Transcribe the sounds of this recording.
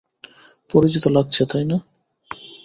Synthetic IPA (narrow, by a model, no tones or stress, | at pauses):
poɾit͡ɕit̪olaɡ̚t͡ɕʰet̪ʰajna